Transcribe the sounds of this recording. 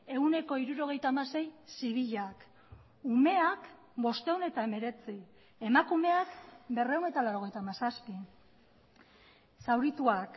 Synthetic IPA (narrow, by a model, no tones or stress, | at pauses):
e̞une̞ko̞iɾuɾo̞ɣ̞e̞jt̪aːmase̞jsiβ̞iʎak | ume̞ak | bo̞st̪e̞wne̞t̪aeme̞ɾe̞t͡si | e̞makume̞akbe̞rewne̞jt̪alawɾo̞ɣ̞e̞jt̪amasaspi | sawɾit̪uak